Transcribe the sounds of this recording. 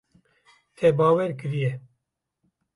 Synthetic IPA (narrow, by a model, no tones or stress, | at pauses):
fɛbɑːwɛɾkɨɾijɛ